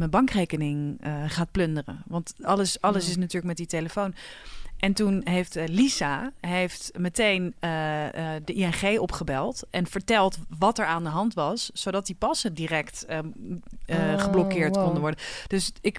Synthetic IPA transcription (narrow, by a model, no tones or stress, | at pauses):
mənbɑŋkrejkənɪŋəχaːt̚plɵndərə̰ʋɑntɑləsɑləsɪs̬natyːɹlək̚mɛtditeləfownʔɛntunɦejftlisaɦejftmətejnədəʔiɛnχejɔpχəbɛlˠtʔɛnfəɹtɛlˠtʋɑtɛɹaːndəɦɑntʋɑssowdɑt̚dipɑsədirɛkt | χəblɔkɪːɹtkɔndəʋɔɹdəd̥ɵsɪk